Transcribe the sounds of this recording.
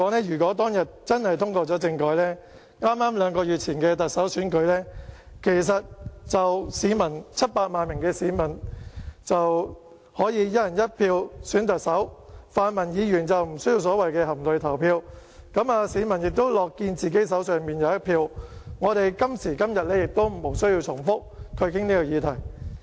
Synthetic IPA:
ɔː˨˥ŋlɛː˥ɥyː˨˩kɔː˨˥t̪̬ɔː˥ŋjɐ˨t̚t͡sɐ˥nhɐ˨jt̪ʰʊ˥ŋkɔː˧t͡sɔː˨˥t͡sɪ˧ŋkɔː˨˧jlɛː˥ | ŋaː˥mːaː˥mlœː˨˧ŋkɔː˧jyː˨t̚t͡sʰiː˨˩nkɛː˧t̪ɐ˨t̚sɐ˨˥wsyː˨˥nkɵ˨˧˥ɥlɛː˥ | kʰe˨˩js̬ɐ˨t̚t͡sɐ˨wsiː˨˥mɐ˨˩nt͡sʰɐ˥t̚paː˧t̚maː˨˧nmɪ˨˩ŋkɛː˧siː˨˥mɐ˨˩nt͡sɐ˨w | hɔː˨˥jiː˨˧jɐ˥ɐ˨˩njɐ˥t̚pʰiː˧wsyː˨˥nt̪ɐ˨k̚sɐ˨˥wfaː˧nmɐ˨˩njiː˨˧jyː˨˩nt͡sɐ˨wm̩˨˩sɵ˥ji˧wsɔː˨˥wɐ˨jkɛː˧ɦɐ˨˩mtlɵ˨˧ɥt̪ʰɐ˨˩wpʰiː˧w | kɐ˨˥maː˧siː˨˧mɐ˨˩njɪ˨k̚t̪o˥wlɔː˨kːiː˧nt͡siː˨ke˨˥s̬ɐ˨˥wsœː˨ŋmiː˨njɐ˨˧wjɐ˥t̚pʰiː˧wŋɔː˨˧ɾe˨jkɐ˥msiː˨˩kɐ˥mjɐ˨t̚lɛː˥jɪ˨k̚t̪o˥wm˨˩mo˨˩wsɵ˥ɥjiː˧wt͡sʰʊ˨˩ŋfʊ˥k̚kʰɵ˨˧ɥkɪ˥ŋniː˥kɔ˧jiː˧t̪ʰɐ˨˩j

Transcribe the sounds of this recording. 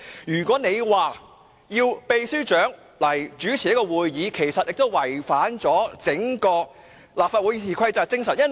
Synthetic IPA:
jyː˨˩kʷɔː˨˥ne˨˧jwaː˨˧ | jiː˧wpe˨˧jsyː˥t͡ʃœː˨˥ŋ | lɐ˨˩jt͡ʃyː˨˥t͡sʰi˨jɐ˥kɔː˧wuː˨jjiː˨˧kʰe˨˩jsɐ˨t̚jɪ˨k̚t̪o˥wwɐ˨˩jfaː˨˥nt͡sɔː˨˥t͡sɪ˨˥ŋkɔː˧k̚ | laː˨p̚faː˧t̚wu˨˧jsʰiː˨kʷʰɐ˧˥jt͡saː˨t͡sɪ˥ŋsɐ˨njɐ˥n

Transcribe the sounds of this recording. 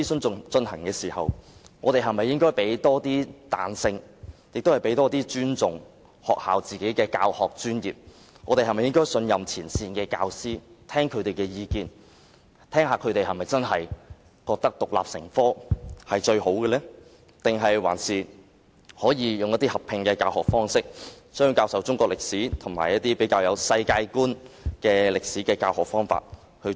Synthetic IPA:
i˥sɵ˥nt͡sʊ˨t͡sɵ˧nhɐ˨˩ŋkɛː˧siː˨˩hɐ̰˨wŋɔː˨˧t̪e˨jɦɐ˨jmɐ˨jːɪ˥ŋkɔː˥jpe˨˥jt̪ɔː˥t̪iː˥t̪a̰ː˨˧nsɪ˧ŋjk̚t̪o˥whɐ˨˩jpe˨˥jt̪ɔː˥t̪iː˥t͡ʃyː˥nt͡sʊ˨ŋ | hɔː˨k̚haː˨wt͡siː˨ke˨˥jkɛː˧ka̰ː˧whɔː˨k̚t͡ʃyː˥njiː˨p̚ | ŋɔː˨˧t̪e˨jhɦɐ˨jm˨jɪ˥ŋkɔː˥jsɵ˧njɐ˨mt͡sʰiː˨˩nsiː˧nkɛː˧ka̰ː˧wsiː˥t̪ʰɛː˥ŋkʰɵ˨˧ɥt̪e˨jkɛː˧jiː˧kiː˨˧n | t̪ʰɛː˥ŋɦaː˨kʰɵ˨˧ɥt̪e˨jɦɐ˨jmɐ˨jt͡sɐ˥nɦɐ˨j | kɔː˧k̚t̪ɐ˥k̚t̪ʊ˨k̚la̰ː˨p̚sɪ̰˨˩ŋfɔː˥hɐ˨jt͡ʃɵ˧ɥho˨˥wkɛː˧lɛː˥ | t̪ɪ˨ŋɦɐ˨jwa̰ː˨˩nsiː˨ | hɔː˨˥jiː˨˧jʊ˨ŋjɐ˥t̪iː˥hɐ˨pʰɪ˧ŋkɛː˧kaː˧whɔː˨k̚fɔː˥ŋsɪ˥k̚sœː˥jkaː˧wsɐ˨˥wt͡sʊ˥ŋkʷɔː˧k̚lɪ˨k̚siː˨˥t̪ʰʊ˨˩ŋmaː˨˩jɐ˥t̚t̪iː˥pe˨˥jkaː˧wjɐ˨˧wsɐ˧jkaː˧jkuː˥nkɛː˧lɪ˨k̚siː˨˥kɛː˧kaː˧whɔː˨˩k̚fɔː˥ŋfa̰ː˧˨t̚ | hɵ˧

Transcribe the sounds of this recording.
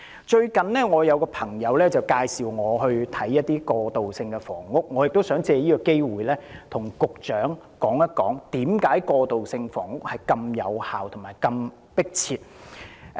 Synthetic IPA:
t͡ʃɵ˧ɥkɐ˨nlɛː˥ŋɔː˨˧jɐ˨˧wkɔː˧pʰɐ˨˩ŋjɐ˨˧wlɛː˥t͡sɐ˨wkaː˧jsiː˨˩wŋɔː˨˧ɦɵ˧ɥt̪ʰɐ˨˥jːɐ˥t̚t̪iː˥kɔː˧t̪o˨wsɪ˧ŋkɛ˧fɔ̰ː˨˩ŋːʊ˥k̚ŋɔː˨˧jɪ˨k̚t̪o˥wsœː˨˥ŋt͡sɛː˧jiː˥kɔː˧ke˥jwuː˨jlɛː˥t̪ʰʊ˨˩ŋkʊ˨k̚t͡ʃœː˨˥ŋ | kɔː˨˥ŋjɐ˥t̚kːɔː˨˥ŋt̪iː˨˥mkaː˨˥jkɔː˧t̪o˨wsɪ˧ŋfɔː˨˩ŋŋʊ˥k̚hɐ˨jkɐ˧mjɐ̰˨˧whaː˨wt̪ʰʊ˨˩ŋmaː˨˩jkɐ˧m | pɪ˥k̚t͡sʰiː˧t̚

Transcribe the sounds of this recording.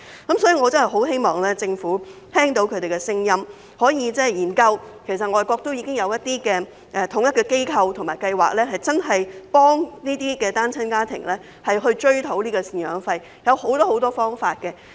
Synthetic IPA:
kɐ˨˦msɔː˨˥jiː˨˧ŋɔː˨˧t͡sɐ˥nhɐ˨jɦo˨˥wɦe˥jmɔː˨ŋlɛː˥t͡sɪ˧ŋfuː˨˥t̪ʰɛː˥ŋt̪o˨˥wkʰɵ˨˧t̪e˨jkɛ˧sɪ˥ŋjɐ˥m | hɔː˨˥jiː˨˧t͡sɛː˥jiː˨˩nkɐ˧wkʰe˨˩s̬ɐ˨t̚ŋɔː˨˧jkʷɔː˧k̚t̪o˥wjiː˧kɪ˥ŋjɐ˨˧wjɐ˥t̪̚iː˥kɛː˧ | ʔɛː˨˧t̪ʰʊ˨˥ŋjɐ˥t̚kɛː˧ke˥jkʰɐ˧wt̪ʰʊ˨˩ŋmaː˨˩jkɐ˧jwa̰ː˨k̚lɛː˥ɦɐ˨jt͡sɐ˥nɦɐ˨jpɔː˥ŋniː˥t̪iː˥kɛː˧t̪aː˥nt͡sʰɐ˥nkaː˥t̪ʰɪ̰˨˩ŋlɛː˥ | hɐ˨jɦɵ˧ɥt͡ʃɵ˥ɥt̪ʰo˨˥wniː˥kɔː˧si˧ŋjœ̰ː˨˧ŋfɐ˧j | jɐ˨˧who˨˥wt̪ɔː˥ho˨˥wt̪ɔː˥fɔː˥ŋfaː˧t̚kɛ˧

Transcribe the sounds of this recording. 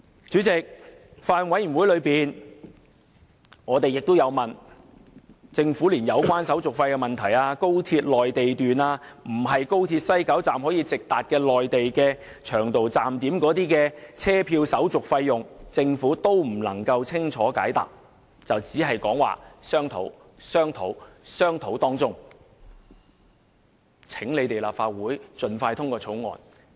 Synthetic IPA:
t͡ʃyː˨˥t͡sɪ˨k̚ | faː˧nwɐ˨˥jy˨˩nwuː˨˥jlɵ˨˧ɥpiː˨n | ŋɔː˨˧t̪e˨jɪ˨k̚t̪o˥wjɐ˨˧wmɐ˨˩n | t͡sɪ˧ŋfuː˨˥liː˨˩njɐ˨˧wkʷaː˥nsɐ˨˥wt͡sʊ˨k̚fɐ˧jkɛ˧mɐ˨nt̪ʰɐ˨˩jaː˧ko˥wt̪ʰi˧t̚lɔː˨jt̪e˨jt̪yː˨naː˧m̩˨˩ɦɐ˨jko˥wt̪ʰiː˧t̚sɐ˥jkɐ˨˥wt͡saː˨mhɔː˨˥jiː˧t͡sɪ˨k̚t̪aː˨t̚kɛː˧lɔː˨jt̪e˨jkɛː˧ | t͡ʃʰœː˨˩ŋt̪o˨wt͡saː˨mt̪iː˨˥mkɔː˨˥t̪iː˥kɛ˧t͡sʰɛː˥pʰiː˧wsɐ˨˥wt͡sʊ˨k̚fɐ˧jːʊ˨ŋt͡sɪ˧ŋfuː˨˥t̪o˥wm̩˨˩lɐ̰˨˩ŋkɐ˧wt͡sʰɪ˥ŋt͡ʃʰɔː˨˥ka̰ː˨˥jt̪a̰ː˨˩p̚ | t͡sɐ˨wt͡siː˨˥ɦɐ˨jkɔ̰ː˨˥ŋwa̰ː˨˩sœː˥ŋt̪ʰo̰˨˥w | sœː˥ŋt̪ʰo˨˥wsœː˥ŋt̪ʰo˨˥wt̪ɔː˥ŋt͡sʊ˥ŋ | t͡sʰɪ˨˥ŋle˨˧jt̪e˨jla̰ː˨pfaː˧t̚wuː˨˥jt͡sɵ˨nfaː˧jt̪ʰʊ˥ŋkɔː˧t͡sʰo˨˥wŋɔ̰ː˨n

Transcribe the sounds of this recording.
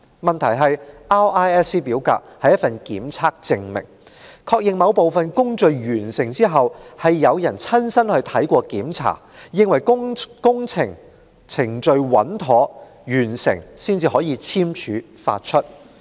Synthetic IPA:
mɐ˨nt̪ʰɐ˨˩jɦɐ˨jʔaː˥waː˥ɛː˥siː˥piː˨˥wka̰ː˧k̚hɐ˨jɐ˥t̚fɐ˨nkiː˨˥mt͡sʰaː˥k̚t͡sɪ˧ŋmɪ̰˨˩ŋkʰɔː˧k̚jɪ˨ŋmɐ˨˧wpo˨wfɐ˨nkʊ˥ŋt͡ʃɵ˨˧ɥjyː˨˩nsɪ˨˩ŋt͡siː˥ɦɐ˨whɐ˨jːɐ˨˧wjɐ˨˩nt͡sʰɐ˥nsɐ˥nhɵ˧ɥt̪ʰɐ˨˥jkʷɔː˧kiː˨˥mt͡sʰa̰ː˨˩jɪ˧ŋwɐ˨˩jkʊ˥ŋt͡sʰɪ˨˩ŋ | t͡sʰɪ˨˩ŋt͡ʃɵ˧ɥwɐ̰˨˥nt̪ʰɔː˨˥ | jyː˨˩nsɪ̰˨˩ŋsiː˥nt͡siː˧hɔː˨˥jiː˧t͡sʰiː˥mt͡ʃʰyː˨˥fa̰ː˧t̚t͡ʃʰɵ˥t̚

